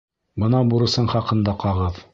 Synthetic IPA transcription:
bɤ̆nɑbuɾɤ̆sɤɴχɑqɤ̆nd̪ɑqɑʁɤð

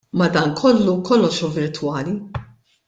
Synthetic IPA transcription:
mɐd̪ɐːnkʰɔlːukʰɔlːɔʃuvɪɾt̪wɐːli

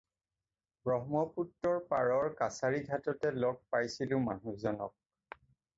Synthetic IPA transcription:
bɹɔɦmɔputːɔɹpaɹɔɹkasaɹiɡʱatɔtɛlɔk̚pajsilʊ̃ma̰nuzɔnɔ̰k̚

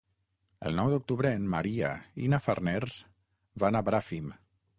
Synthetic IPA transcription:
ə̰lˠnɔwd̪uk̚t̪uβɾəːnmaɾia̰ḭnafarnɛɾz̥ | βanabɾafim

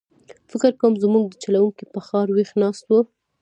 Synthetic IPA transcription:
fɪkɪɾkowmzmuɡ̚d̪ət͡ʃalawuŋkipəxɑɾwexnɑst̪wu

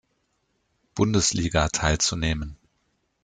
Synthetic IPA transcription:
b̥ʊndəsliːɡatʰaɪlt͡suneːmən

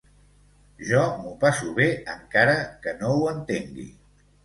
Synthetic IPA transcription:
ʒɔmupasuβ̞eəŋkaɾəkənowənt̪eŋɡḭ

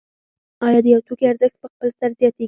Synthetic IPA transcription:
ɑjɑd̪əjawt̪ʰukeaɾzəxt̪̚pəxpəlsaɾzijɑt̪e

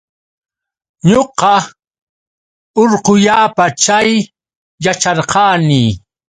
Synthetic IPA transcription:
ɲoqɑ | oɾqʊʎaːpat͡ʃajː | at͡ʃɑɾqɑːniː

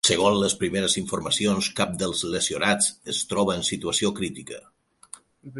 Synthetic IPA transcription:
səɣ̞onləspɾimeɾəziɱfuɾməsionskap̚d̪əlˠzləsionat͡səst̪ɾɔβəːnsit̪uəsiokɾit̪ikə

